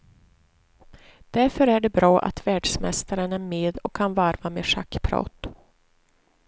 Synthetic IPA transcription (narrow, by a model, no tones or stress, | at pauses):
d̪̥æɾfœɾæɖɛbɾɑːʔa̰t̪væːɖʂmɛst̪aɾənæɾmeːd̪ɔkʰːanvaɾvamḛːʂa̰kːpʰɾɑ̰ːt̪